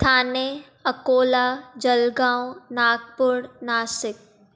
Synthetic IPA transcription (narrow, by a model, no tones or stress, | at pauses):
t̪ʰaːne | ɐkoːlad͡ʒɐlɡãːwnaːk̚pʊɽnaːsɪk̚